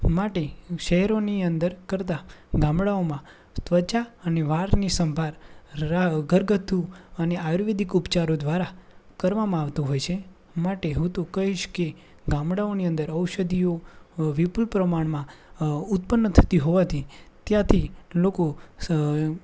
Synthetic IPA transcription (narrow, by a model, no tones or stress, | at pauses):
maʈeʃəɦɛɾoniənd̪əɾkəɾt̪̬aɡãmɽaomã | t̪ʋət͡ʃaəneʋaɾnisəmbʱaɾ | ɡʱəɾɡət̪ʰuəneaɾʋed̪ikupt͡ʃaɾod̪ʋaɾakəɾʋamãaʋt̪oɦojt͡ʃʰe | maʈeɦũt̪okəɦiʃke | ɡãmɽaoniə̃nd̪əɾəwʃəd̪ijoʋipulpɾəmaɳmãʊt̪̚pənːət̪ʰə̥t̪iɦoʋat̪ʰit̪jãt̪ʰiloko